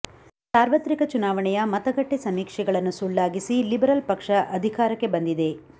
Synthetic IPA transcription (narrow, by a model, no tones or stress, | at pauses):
saːɾʋɐt̪ɾikɐt͡ʃunaːʋɐɳɛjɐmɐt̪ɐɡɐʈːesɐmiːkʂɛɡɐɭɐnːusulːaːɡisilibɐɾɐlpɐkʂɐʔɐd̪ʱikaːɾɐkːe̞bɐnd̪id̪e̞